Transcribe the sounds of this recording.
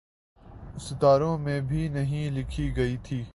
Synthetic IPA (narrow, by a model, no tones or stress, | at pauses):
ʊst̪aːɾõmẽːbʱinɐɦĩlɪkʰiːɡɐiːt̪ʰiː